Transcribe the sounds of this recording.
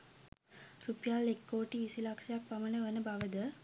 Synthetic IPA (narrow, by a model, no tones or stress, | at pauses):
rupjaːlekːoːʈiʋisilakʂɐjak̚pamənəʋənəbaʋəd̪ə